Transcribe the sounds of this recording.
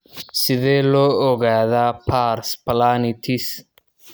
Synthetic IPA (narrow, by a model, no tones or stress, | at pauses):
sɪðɛːlɔːɔɣaːðaːpʰaːrspʰɐlaːnɪt̪ʰɪs